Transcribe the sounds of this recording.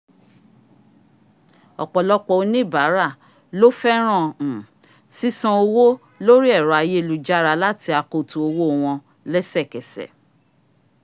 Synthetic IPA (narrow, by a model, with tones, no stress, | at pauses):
ɔ̰˨k͡pɔ˨lɔ˦k͡pɔ˧o˧nĩ˦˨ba˨˦ɾa˦˨ | lo˦fɛ˦ɾ̃ã˦˨ | si˦sã˧o˧wo˦ | lo˦ɾi˦ɛ˦˨ɾɔ˨a˧je˦˧lu˨˧d͡ʒa˦ɾa˧la˦ti˧a˧ko˧˨tũ˨o˧wo˦˨w̃ɔ̃˧ | lɛ˦sɛ˦˨kɛ˨sɛ̰˨